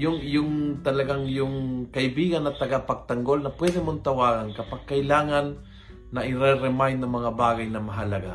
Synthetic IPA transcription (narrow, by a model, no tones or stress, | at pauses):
jʊŋjʊŋt̪alaɡaŋjʊŋkaɪbiɡanːat̪aɡapaɡ̚t̪aŋɡolnɐpwɛd̪ɛmʊnt̪awaɡaŋkɐpaɡ̚kːajlaːŋanː | aʔɪɾɛɾɛmajnamɐŋabaɡajnamaɦalaɡa̰